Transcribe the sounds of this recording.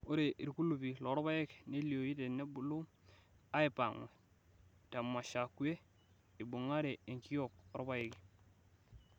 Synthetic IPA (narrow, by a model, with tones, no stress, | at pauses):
o˦ɾe˨ʔi˨ɾku˦lu˨pi˨lo˨ɾo˦ba˦je˦kne˦li˨o˨ji˦te˨ne˦bu˨lu˦ | a˦i˨pa˨ŋḛ˨ | ta˨mːa˨ʃa˨ku˦e˦ | i˨bu˨ŋa˦ɾe˨e˨ŋki˦o˦˨k̚oɾo˦ba˦je˨ki˨